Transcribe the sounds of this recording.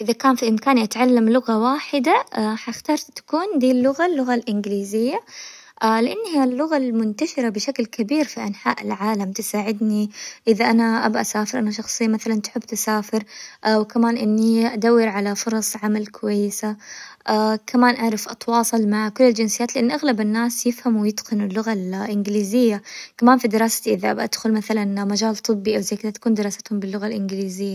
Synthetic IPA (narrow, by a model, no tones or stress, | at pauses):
ʔɪðakaːnfiʔɪmkaːniʔat̪ʕalːamlʊɣawaːħɪd̪aħaɪxt̪ɑːɾˤt̪ḁkuːnd̪iːlːʊɣalːʊɣalʔɪnɡɪliːzɪjːa | ʔalɪʔanːhijːalːʊɣalmʊnt̪aʃɪɾabɪʃaklkabiːɾfiʔanħa̰ːʔɪ̰lʕaːlamt̪ɪsaːʕɪd̪niʔɪðaʔanaʔa̰bʔasaːfɪɾʔanaʃ̬ɑxsˤɨjːamaθalant̪ʊ̥ħɪbːt̪ɪsaːfɪɾʔwkamaːnʔɪnːiʔad̪awːɪɾʕalafʊɾˤɑsˤʕamalkʰʊwajːɪsaʔakʰamaːnʔaʕɾˤɪfʔɑt̪wɑːsˤɑlmaʕkʊlːɪld͡ʒɪnsɪjaːt̪lɪʔanːʔaɣlabɪnːaːsjɪfhamwɪjɪt̪qɪnɪlːʊɣalʔɪnɡɪliːzɪjːakamaːnfid̪ɪɾɑːsḁt̪iʔɪðaʔabʔad̪̥xʊlmaθalanmad͡ʒaːlt̪ˤɨbːiʔawzajːkɪðat̪ḁkuːnd̪ɪɾˤɑːsḁt̪hʊmbɪlːʊɣalʔɪnɡliːzɪjːa